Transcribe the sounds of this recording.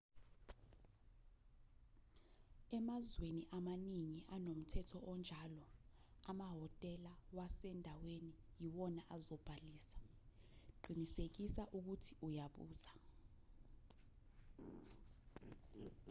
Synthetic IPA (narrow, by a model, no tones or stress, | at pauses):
ɛmazweniʔamaniŋiʔanom̩tʰɛtʰɔɔnd͡ʒʱalɔamaɦɔtʼɛlawasɛndʱawenijiwɔnaʔazɔb̥ʱaliːsḁ | ɡ͡ǃʱinisek̬isaʔuk̬utʰi̥ujaɓṵːz̥a